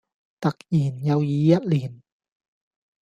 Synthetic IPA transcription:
t̪a˨˩k̚jiː˨˩nja˧wjiː˨˦ja˦˩t̪̚liː˨˩n

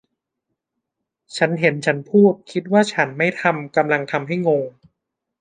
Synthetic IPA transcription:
t͡ɕʰa˦˥nɦe˩˦nt͡ɕʰa˦˥npʰuː˥˩t̪̚kʰi˦˥t̪̚waː˥˩t͡ɕʰa˦˥nma˥˩jt̪ʰa˧mka˧mla˧ŋt̪ʰa˧mɦa˥˩jŋo˧ŋ

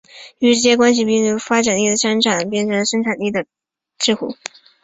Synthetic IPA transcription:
y˧˥ʈ͡ʂɻ̩˥˩t͡ɕɛ˥kwa˥nɕ̬i˨˧pi˥˧ŋə˧˥˩fa˥ʈ͡ʂa˨˩ni˥˩d̪ə˩ʂə˥ŋʈ͡ʂʰa˨˩˦np̬jɛ˥˩nʈ͡ʂʰɤ˧˥ŋlə˧ʂə˥ŋʈ͡ʂʰa˨˩nt̪i˥˩d̪ə˩ | ʈ͡ʂɻ̩˥˧xṵ˥˩˦

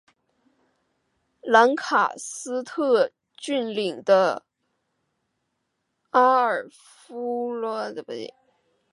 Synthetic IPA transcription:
la˧˥nkʰa̰˨˩sɹ̩˥t̪ʰɤ˥˧ | t͡ɕy˥˩nli˨˩ŋd̪ə˦ | a˥ə˞˨˩ | fu˥lɔ˥˧t̪e˥˩bu˨˩ḛ˧˩

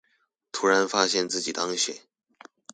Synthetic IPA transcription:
t̪ʰu˧˥ɻa˧˥nfa˥ɕjɛ˥˧nt͡sɹ̩˥˩t͡ɕi˨˩t̪ɑ˥ŋɕɥɛ̰˨˩˦

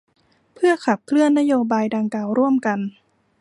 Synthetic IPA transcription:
pʰɯ˥˩ɐkʰa˨˩p̚kʰlɯ˥˩ənːa˦˥joː˧baː˧jda˧ŋkaː˨˩wɾu˥˩əmka˧n

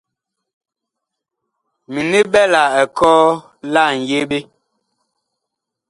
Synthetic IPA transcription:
mi˨ni˦bɛ˦la˨ɛ˨kɔː˦ | la˦˨ŋ̩˨je˦ɓe˦

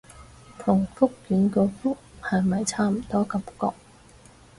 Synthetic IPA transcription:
t̪ʰʊ˨˩ŋfʊ˥k̚jyː˨˧˥nkɔː˧fʊ˥k̚hɐ˨jmɐ˨jt͡sʰaː˥m̩˨˩t̪ɔː˥kɐ˨˥mkɔ̰ː˧k̚

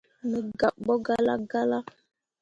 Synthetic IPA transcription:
mə˨ɡa˨p̚bɔ˦ɡa˦la̰˦ɡa˦la˦

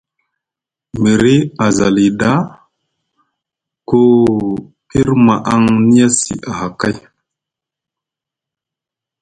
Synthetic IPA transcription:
me˨ɾi˦a˨za˨li˨da˦ | ko˦ | i˦ɾma˨ʔa˦ŋni˦ja˦sḭ˨ʔa˨ha˨ka˦j

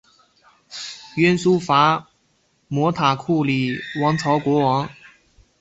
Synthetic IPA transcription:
ɥɛ˥nsu˥fa˧˥ | mwɔ˧˥t̪ʰa˨˩kʰu˥˩li˨˩˦wɑ˧˥ŋt͡sʰɑ˧˥ʊkwɔ˧˥wɑ˧˥ŋ

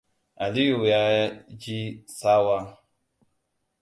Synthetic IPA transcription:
a˨li˦ju˨ja˦d͡ʒi˦sa˦wa˦

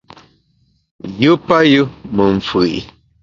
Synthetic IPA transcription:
ju˦pa˦ju˦mə˨ɱ˨fɨ˨

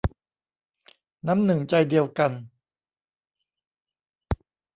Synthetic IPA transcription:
na˦˥mnɯ˨˩ŋt͡ɕa˧jdi˧əwka˧n

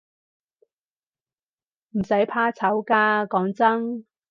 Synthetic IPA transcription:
m̩˨˩sɐ˨˥jpʰaː˧t͡sʰɐ˨˥wkaː˧kɔː˨˥ŋt͡sɐ˥ŋ

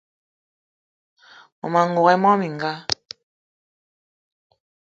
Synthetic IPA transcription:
ɔ̰˨ma˨ŋ˨ɡo˨ɣɛ˦mɔ˦mi˨ŋ˨ɡa˦

